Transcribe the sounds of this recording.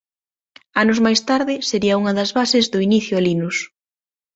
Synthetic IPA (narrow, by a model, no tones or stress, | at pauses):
anʊzmajst̪aɾðɪseɾiɐuŋɐðɐzβasɪzðʊiniθjʊalinus